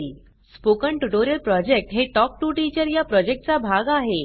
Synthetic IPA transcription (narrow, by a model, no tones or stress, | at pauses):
spokəɳʈuʈoɾjəlpɾɔd͡ʑek̚ʈɦeʈɔk̚ʈuːʈit͡ɕəɾjapɾɔd͡ʑek̚ʈ̚t͡sabʱaɡaɦe